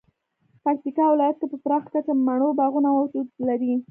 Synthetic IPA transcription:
pak̚t̪ikɑwɪlɑjat̪̚kepəpɾɑxkat͡samaɽ̃obɑɣunawawd͡ʒud̪laɾi

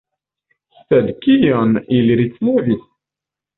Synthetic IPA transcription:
stæd̪kijənəlɾit͡sːnæviθ

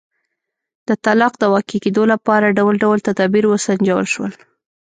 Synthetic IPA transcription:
d̪̥ət̪alɑqd̪əwɑkiked̪olapɑɾaɖawlɖawəlt̪ad̪ɑbiɾwəsand͡ʒawə̰lʃwə̰l

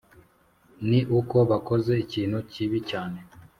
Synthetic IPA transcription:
niʔuko̞βako̞ze̞iciːn̥huciβicaːne̞

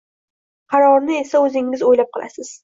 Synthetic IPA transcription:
qʰɑɾɒɾnɪe̞saɵzɪŋɪzojlap̚qʰɨlˠa̰sɪz̥

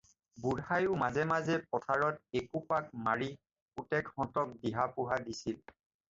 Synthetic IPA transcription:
buɹhajʊmazɛmazɛpɔtʰaɹɔt̚ekupak̚maɹi | utɛkhɔ̃ntɔk̚diɦapʊɦadisil

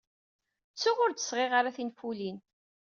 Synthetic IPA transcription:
t͡sːʊʁʊɾd̪ə̥sʁeʁaɾaθinfulin

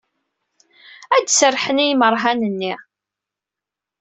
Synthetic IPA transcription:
æd̪sərːħənijməɾˤɦænənːi

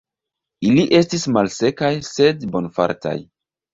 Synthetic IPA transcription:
iliʔe̞stismalse̞kajse̞dbo̞nfa̰ɾta̰j

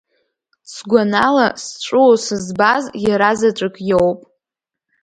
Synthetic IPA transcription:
sɡʷanalasʈ͡ʂʷʼʊosɨzbazjaɾazat͡ʃʷʼɨkʼjowpʼ

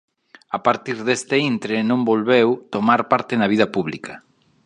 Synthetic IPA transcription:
apaɾt̪iɾðest̪eint̪ɾenõmbolβewt̪omaɾpaɾt̪ɪnaβ̞ið̞ɐpuβlikʰa

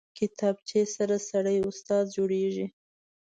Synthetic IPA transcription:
kɪt̪ɑb̚t͡ʃesaɾasaɽəjʊst̪ɑd̪d͡ʒoɽeʒi

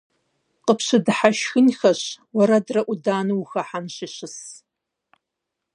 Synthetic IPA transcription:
qəpʰɕɨdħaʃxɨnxɐɕwɐɾɐdrɐʔʷʊdaːnɨwxɐħanɕiɕɨs

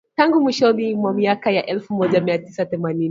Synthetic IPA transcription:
taŋɡumwiʃɔnimwamiakajaʔɛlfumɔʄamiatisaθɛmanin

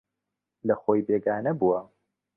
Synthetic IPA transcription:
lɐxoːjbeːɡaːnɐbuwɐ

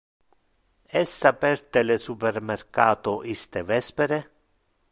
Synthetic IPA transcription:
ɛsːapɛrt̪elesupermerkaːt̪oʔist̪evɛspeɾe

